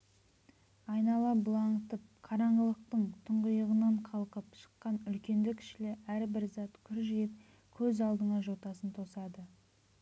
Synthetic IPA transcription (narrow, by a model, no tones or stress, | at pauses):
ɑjnɑlˠɑbʊlˠɑɴt̪əp̚qʰɑɾɑɴɡəlˠəq̚t̪əɴt̪ʰʊɴʁəjəʁənɑɴqʰɑlˠqəpʃə̥qːɑnʏlkʲe̞nd̪ɪkʲʰɪ̥ʃɪlɪʔæɾbɪɾzɑt̪kʲʰʏɾʒijɪp̚ | kʲʰɵzɑlˠd̪əɴɑʒo̞t̪ɑsənt̪ʰo̞sɑd̪ə